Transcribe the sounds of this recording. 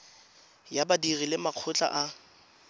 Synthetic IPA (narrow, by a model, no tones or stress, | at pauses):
jabadirilɪmaq͡χʰʊt͡ɬʼa̰ʔa